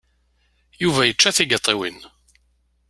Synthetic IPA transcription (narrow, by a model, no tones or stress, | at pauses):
juvæjət͡ʃːæθiɡət̪ˤːiwḭn